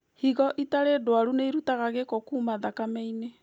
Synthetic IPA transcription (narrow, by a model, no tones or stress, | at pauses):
hiɣɔʔitaɾedwaɾuneiɾutaɣaɣekokuːmaðakamɛine